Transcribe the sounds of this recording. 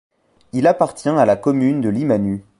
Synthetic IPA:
ilapaʁt̪jɛ̃alakɔmynd̪əlimany

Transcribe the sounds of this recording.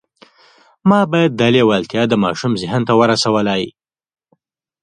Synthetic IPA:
mɑbɑjad̪̚ːalewalt̪jɑd̪əmɑ̰ʃumzɪɦənt̪awəɾasawəlaj

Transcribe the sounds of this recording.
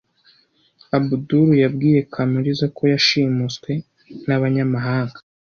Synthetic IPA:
abuduɾujabɡiːje̞kʰamuɾizakʰo̞jaʃiːmut͡skwe̞ | naβaɲamaɦaːŋɡḁ

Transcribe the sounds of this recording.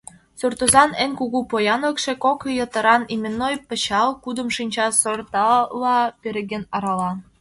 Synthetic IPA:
surt̪ozɑnenʲkuɣupojɑnlə̆kʃĕkokjɤ̆t̪ɤ̆ɾɑnimʲĕnːojpɤ̆t͡ɕɑlkud̪ə̆mʃinʲt͡ɕɑsort̪ɑlːɑpeɾeɣʲĕnɑɾɑlɑ

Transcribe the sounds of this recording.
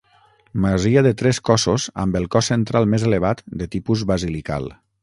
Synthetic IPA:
məziəðət̪ɾɛskɔsozə̰mbəlˠkɔsent̪ɾalˠmezeleβ̞at̪d̪ət̪ipuzβəzilika̰lˠ

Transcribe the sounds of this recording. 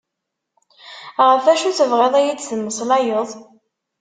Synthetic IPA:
ʁəfæʃut͡sːəvʁeðˤæjit͡sːθəmːəsˤlæjəðˤ

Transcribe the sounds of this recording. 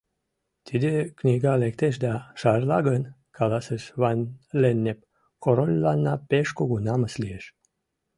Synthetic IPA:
t̪ʰid̪eknʲiɡɑlek̚t̪eʃd̪ɑʃɑrlɑɣən | kʰɑlɑsəʃβɑnlenːep̚ | koɾolʲːɑnːɑpeʃkoɡunɑməslieʃ

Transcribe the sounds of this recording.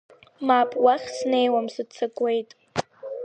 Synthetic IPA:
mapʼwaχʲsne̞jwamsɨdt͡sʰakʼwe̞jtʼ

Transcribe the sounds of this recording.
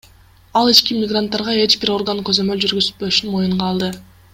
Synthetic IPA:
ɑlˠit͡ʃkimʲɪɡrant̪ːɑɾʁɑe̞t͡ʃbiɾo̞rɡankø̞zø̞møld͡ʒyɾɡyzy̥t̪bø̞ʃynmo̞juɴʁɑːlˠd̪ɯ

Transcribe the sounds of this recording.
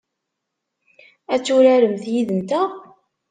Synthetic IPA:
æt͡sːʊɾæɾəmθjiðənt̪æ

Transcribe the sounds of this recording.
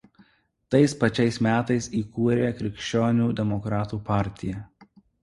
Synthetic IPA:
t̪ɐɪspɐt͡ʃʲɛɪsmʲæːt̪ɐɪsiːkuːɾʲeːkɾʲɪkʃʲt͡ʃʲoːnʲuːd̪ʲɛmɔkɾɑːt̪uːpɑˑɾʲt̪ʲɪjɛ

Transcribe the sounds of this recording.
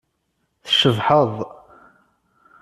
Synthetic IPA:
θəʃəvħəðˤ

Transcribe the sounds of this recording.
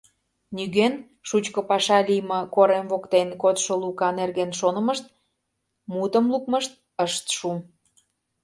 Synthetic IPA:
nyɣen | ʃut͡ɕkə̆pɑʃɑlʲijməkoɾemvokt̪enkot̪ʃolukɑnerɣenʃonə̆mə̆ʃt̪̚ | mut̪ə̆mlukməʃt̪̚ | əʃt̪ʃum

